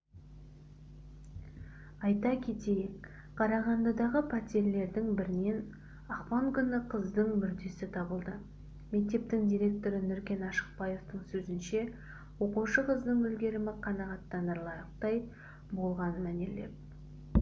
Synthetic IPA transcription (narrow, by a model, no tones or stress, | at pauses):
ɑjt̪ɑkʲʰe̞t̪e̞jek | qʰɑɾɑʁɑnd̪ɑd̪ɑʁəpʰɑt̪ʲeɾle̞ɾd̪ɪŋbɪɾɪne̞n | ɑqpɑŋkʲʰʏnɪqʰəzd̪əɴmʏɾd̪e̞sɪt̪ʰɑbəlˠd̪ə | me̞k̚t̪e̞p̚t̪ɪŋd̪ijɾʲe̞k̚t̪o̞ɾənʏɾkʲe̞nɑʃə̥q̚bɑje̞ft̪əɴsɵzɪnʃe̞ | wo̞quʃəqʰəzd̪əɴɵlɡʲe̞ɾɪmɪqʰɑnɑʁɑt̪ːɑnəɾlˠɑjəq̚t̪ɑj | bo̞lˠʁɑnəmæne̞le̞̰p̚